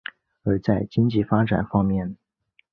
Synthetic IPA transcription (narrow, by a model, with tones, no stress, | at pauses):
ə˞˧˥t͡sa˥˩ɪt͡ɕi˥ŋt͡ɕi˥˩fa˥ʈ͡ʂa̰˨˩nfɑ˥ŋmjɛ˥˩n